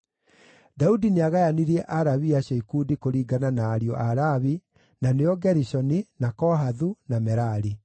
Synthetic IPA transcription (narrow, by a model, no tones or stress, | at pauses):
daudineaɣajaniɾɛʔaɾaβiaʃeikudikoɾiːɡananaːɾiɔʔaɾaβi | naneɔɡɛɾiʃɔninakɔɦaðunamɛɾaɾi